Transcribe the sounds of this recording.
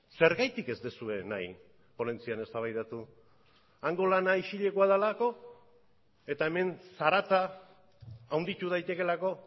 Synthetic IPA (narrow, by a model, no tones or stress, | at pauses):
se̞ɾɣajt̪ike̞zd̪esue̞na̰j | po̞le̞nt͡siane̞st̪aβ̞ajðat̪u | aŋɡo̞lanaiʃiʎe̞koaðalako̞ | e̞t̪aeme̞nsaɾat͡saː | wnd̪it̪uð̞ajt̪e̞ke̞lako̞